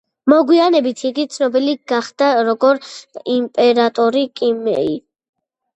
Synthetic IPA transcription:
mɔɡwianɛbit̪ʰiɡit̪sʰnɔbiliɡaχd̪̥aɾɔɡɔɾimpʼɛɾat̪ʼɔɾikʼimɛ̰i

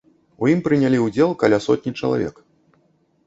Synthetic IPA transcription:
ujimpɾɨnʲalʲiwd͡zʲɛlˠkalʲasɔt̪ʲnʲit͡ʂɐlˠa̰vʲɛ̰k

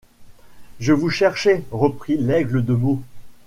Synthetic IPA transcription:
ʒəvuʃɛʁʃeʁəpχilɛɡləd̪əmo

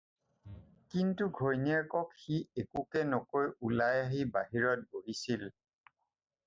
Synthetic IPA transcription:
kintuɡʱojniaɹkɔkxiekukɛnɔkojulajaɦibaɦiɹɔt̚boɦisil

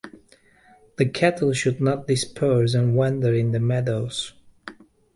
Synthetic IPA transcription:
ðɨkʰætl̩ˠʃɨdⁿnət̚d̥ɨspʰɜ˞zɨ̃nwɛ̃ndə˞ɪ̃nðɨmɛdoʊz̥

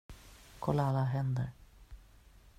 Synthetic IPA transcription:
kʰɔlːaalːaɦɛnd̪ə̰ɾ

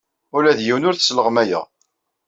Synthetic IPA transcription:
ʊlæðjiwnʊɾθə̥sləʁmæjæ̰

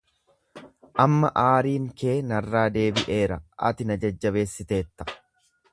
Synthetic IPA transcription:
ʔɐmːɐʔaːɾiːŋke̞ːnɐrːaːd̪e̞ːbɪʔe̞ːɾɐ̰ʔɐ̰t̪ɪnɐd͡ʒɐd͡ʒːɐβe̞ːsːɪt̪e̞ːt̪ːɐ̥

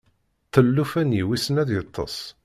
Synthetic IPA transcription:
θəlːufænjiwisənæðjət̪ˤʰːɑ̰sˤ

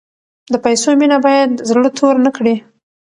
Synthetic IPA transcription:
d̪əpajsominabɑjad̪zɽət̪ʰoɾnəkɽi

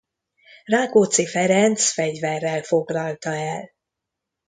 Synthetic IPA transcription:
raːkoːt̪sifɛɾɛnt̪sfɛɟvɛrːɛlfo̞ɡlɒlt̪ɒɛl

